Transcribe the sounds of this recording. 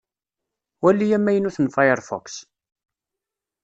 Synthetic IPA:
wælːijæmːæjənuθənfajəɾˤfɔ̰ks

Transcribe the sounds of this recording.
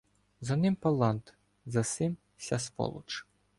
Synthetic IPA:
zɐnɪmpɐlˠɑnt̪ | zɐsɪm | sʲaspɔ̰lˠṵt͡ʃ

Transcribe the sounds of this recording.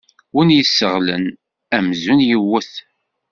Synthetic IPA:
winjəsːəʁlə̰n | æmzunjiwːəθ

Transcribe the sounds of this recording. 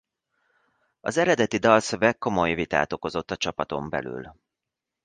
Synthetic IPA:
ɒzɛɾɛd̪ɛt̪id̪ɒlsøvɛkːo̞mo̞jvit̪a̰ːt̪o̞ko̞zo̞t̪ːɒt͡ʃɒpɒt̪o̞̰mbɛ̰ly̰l

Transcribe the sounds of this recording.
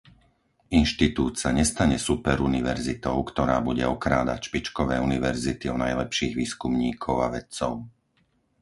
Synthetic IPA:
inʃt̪it̪uːt̪saɲɛst̪aɲɛsupɛɾuniʋɛɾzit̪ɔʊkt̪ɔɾaːbuɟɛɔkɾaːd̪a̰cʃpit͡ʃkɔʋɛːuniʋɛɾzit̪iɔnajlɛpʃiːɣʋiːskumɲiːkʰɔʊaʋɛt̪t͡sɔʊ

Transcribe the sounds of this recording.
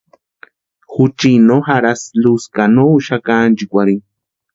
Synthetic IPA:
xut͡ʃinoxaɾasluskanoʃakand͡ʒikʷaɾi

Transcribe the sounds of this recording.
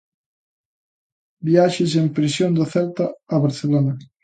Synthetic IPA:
biaʃɪs̬empɾisjond̪aθɛlt̪aːβeɾθelona

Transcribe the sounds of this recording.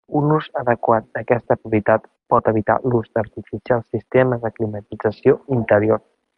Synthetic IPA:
unuzəðəkwat̪̚d̪əkɛst̪əpɾupjət̪at̪ | pɔt̪əβ̞it̪a̰luzd̪əɾt̪ifisialˠsist̪eməðəklimət̪id͡zəsijoint̪əɾjor

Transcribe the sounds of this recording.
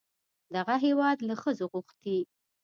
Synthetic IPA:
d̪aɣaɦewɑd̪laxəzoɣuxt̪i

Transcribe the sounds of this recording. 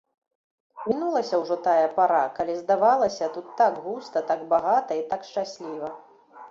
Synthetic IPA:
mʲinulˠɐsʲɐwʐɔt̪ajɐpaɾakalʲizd̪avalˠɐsʲɐt̪ut̪ːaɡɣust̪ɐt̪aɡbaɣat̪ɐit̪akʂt͡ʂasʲlʲivɐ

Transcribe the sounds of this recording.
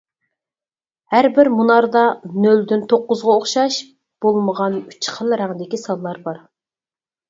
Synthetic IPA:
hæɾbɪɾmunɑɾd̪ɑnøld̪ynt̪ʰoqːʊzʁɑoχʃɑʃ | b̥olˠməʁɑny̥t͡ʃʰχʰəlˠɾæŋd̪ɪkʲisɑlˠːɑɾbɑɾ

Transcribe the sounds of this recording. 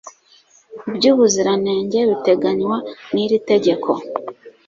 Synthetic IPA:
bɟuːβuziɾane̞ːɲɟe̞βite̞ɡaɲwaniɾite̞ɟe̞kʰo̞

